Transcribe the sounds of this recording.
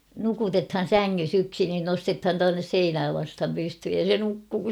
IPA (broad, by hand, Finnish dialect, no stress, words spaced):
nukutethɑn̞ sæŋːys yksi nin nostethɑn tuɑnːes seinæː ʋɑsthɑm pysthyj jɑ se nukːuː